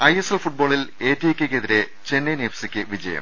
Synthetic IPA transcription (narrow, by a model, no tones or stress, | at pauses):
ɐjeselfuʈ̚bo̞ːɭileːtːiekʲːekeðiɾe | t͡ɕe̞nːenefsikʲːɨʋid͡ʑɐ̰jɐ̰m